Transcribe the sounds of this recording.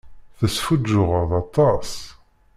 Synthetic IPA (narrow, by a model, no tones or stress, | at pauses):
θəsfud͡ʒːʊʁəðˤɑt̪ˤːɑs